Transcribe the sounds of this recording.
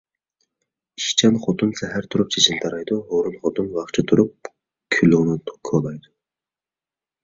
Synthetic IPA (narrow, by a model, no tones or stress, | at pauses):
iʃt͡ʃʰɑnχot̪ʰunsɛɦæɾt̪ʰuɾup̚t͡ʃʰet͡ʃʰint̪ʰɑɾɑjd̪uɦoɾunχʰot̪unwɑχt͡ʃʰɑt̪ʰuɾup̚ | kʲʰyluʁnɪkʰolˠɑjd̪u̥